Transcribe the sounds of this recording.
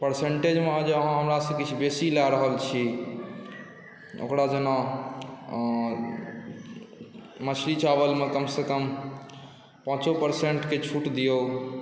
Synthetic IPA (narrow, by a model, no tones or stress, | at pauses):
pəɾseɳʈed͡ʒmead͡ʒeəɦãɦəmɾasəkit͡ʃʰibesilaɾəɦəlt͡ʃʰi | o̰kɾad͡ʒənɔ | mət͡ʃʰlit͡ʃabəlmekəmsekəm | pə̃t͡ʃopəɾseɳʈket͡ʃʰuʈd̪ijo